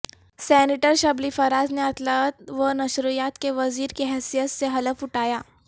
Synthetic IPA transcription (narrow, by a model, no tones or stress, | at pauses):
sɛːnɪʈəɾʃɐblifɐɾaːzneɐt̪ʰlət̪ʋənɐʃɾujaːt̪keʋɐziːɾkeɦɛːsijət̪seɦɐləfʊʈaːjaː